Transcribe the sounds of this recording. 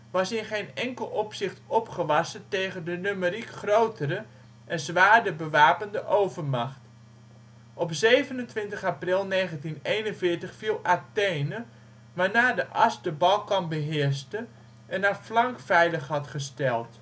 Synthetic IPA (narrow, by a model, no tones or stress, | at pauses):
ʋɑsɪnχejnɛŋkəlˠɔpsɪχtɔpχəʋɑsəteːɣəndənøməɾikχrowtəɾə | ʔɛnzʋaːdəbəʋaːpəndəʔowvərmɑχt | ʔɔpsejvənəntʋɪntəχaprɪlˠneːχəntinejnənvɪːtəχfilˠateːnə | ʋaːɹnaːdəʔɑsdəbɑlˠkɔnbəɦɪəɹstə | ʔɛnarflɑŋkfɛjləχhɑtχəstɛlˠt